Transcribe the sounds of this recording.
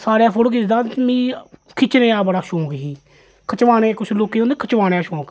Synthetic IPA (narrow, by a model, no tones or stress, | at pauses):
saːɾaːpʰʊɽkɪsd̪aːmĩːkʰɪt͡ʃnẽːaːbəɽaːʃõːkɦiː | kʰət͡ʃʋaːɽeːkʊt͡ʃʰloːkeːoːnd̪eːkʰət͡ʃʋaːɽeaːʃõːk